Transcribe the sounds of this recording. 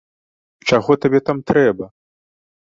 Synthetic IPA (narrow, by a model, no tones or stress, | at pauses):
t͡ʂaɣɔt̪abʲɛt̪amt̪ɾɛbɐ